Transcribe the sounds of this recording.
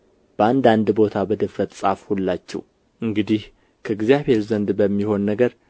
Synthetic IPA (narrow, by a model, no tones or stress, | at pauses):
b̥əand̪and̪bo̞t̪ʰabəd̪əfɾət̪sʼafhulːat͡ʃːɛ̰w | ʔɨŋɡɨd̪ih | kʰəɨɡzjaβe̞ɾzənd̪bəmːiho̞nːəɡəɾ